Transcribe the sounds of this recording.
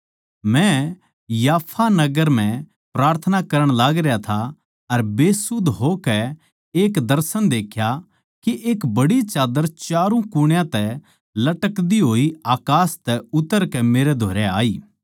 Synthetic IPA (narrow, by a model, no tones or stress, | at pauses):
mɛ̃ | jaːpʰanɐɡəɾm̤ɛ̃ | pɾaːɾt̪ʰənakɐɾəɽ̃laːɡɾɪjat̪ʰa | ɐɾbeːsʊd̪ʱɦokɛ | eːkd̪ɐɾsənd̪eːkʰja | keʔeːkbɐɽit͡ʃaːd̪əɾt͡ʃaːɾũkʊɽ̃jãt̪ɛ | lɐʈəkd̪iɦoːiaːkaːst̪ɛʊt̪əɾkɛmeːɾɛd̪ʱoːɾɛa̰ːiː